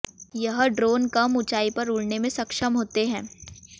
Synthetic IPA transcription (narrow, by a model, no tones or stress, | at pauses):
jɐɦɖɾoːnkɐmʊt͡ʃaːipɐɾʊɭnemẽsɐkʃəmɦoːt̪eɦɛ̃ː